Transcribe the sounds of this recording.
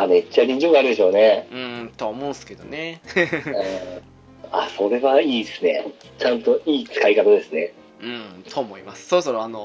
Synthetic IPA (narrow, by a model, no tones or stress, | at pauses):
ame̞t͡ɕːaɲĩɲ̟d͡ʑimɯɡaːɾɯ̟d̪e̞ɕo̞ːne̞ɯ̃t̪o̞aomõ̞sɨ̥ke̞d̪one | ɯ̃ | a̰so̞ɾe̞βaiːd̪esɨne̞̰ | t͡ɕãnt̪o̞ʔiːt͡sɨ̥kaikat̪ad̪e̞sɨne̞ | ɯ̃ɴt̪ʰoːmoimasɨ̥soɾosoɾoano